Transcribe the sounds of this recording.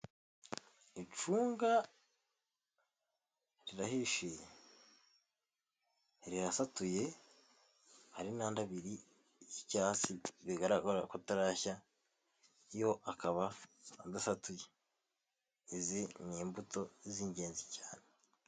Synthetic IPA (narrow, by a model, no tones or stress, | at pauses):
it͡ʃuːŋɡa | ɾiɾahiʃeje | ɾiɾasatuje̞ | haɾinaːndaβiɾi | icaːsiβiɡaɾaoɾakotaɾaça | ijo̞ʔakaβandasatuje | iziniːmbuto̞ziɲɟe̞ːnzicaːne